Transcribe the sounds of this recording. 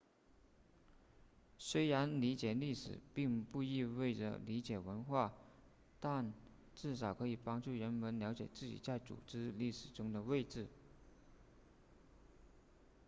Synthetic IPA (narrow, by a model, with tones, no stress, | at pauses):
swe˥ɪɻa˧˥nli˧˥t͡ɕjɛ˨˩li˥˩ʂɻ̩̰˨˩pi˥˧ŋpu˥˧i˥˧we˥˩ɪʈ͡ʂə̰˩li˧˥t͡ɕjɛ˨˩wə˧˥nxwa˥˩ | t̪a˥˧n | ʈ͡ʂɻ̩˥˩ʂ̬ɑ˨˩ʊkʰɤ˧˥i˨˩pɑ˥ŋʈ͡ʂu˥˩ɻə˧˥nmə˧˥nljɑ˧˥ʊt͡ɕjɛ̰˨˩t͡sɹ̩˥˩t͡ɕḭ˨˩t͡sa˥˩ɪt͡sṵ˨˩ʈ͡ʂɻ̩˥li˥˩ʂɻ̩˨˩ʈ͡ʂʊ˥ŋd̪ə˨we˥˧ɪʈ͡ʂɻ̩˥˩